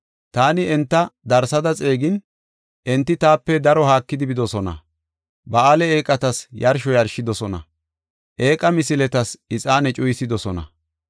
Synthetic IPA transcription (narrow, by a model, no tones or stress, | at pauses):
t̪aːnɪɛnt̪ːɐd̪ɐɾsɐd̪ɐt͡sʼe̞ːɡɪn | ʔɛnt̪ːɪt̪aːpːɛd̪ɐɾɔhaːkːɪd̪ɪbɪd̪ɔsɔnɐ̰ | bɐaːlɛeːkʼːɐt̪ɐsjɐɾʃɔjɐɾʃɪd̪ɔsɔnɐ̰ | ʔe̞ːkʼɐmɪsɪlɛt̪ɐsɪt͡sʼaːnɛt͡ʃʼʊjsɪd̪ɔsɔnɐ̰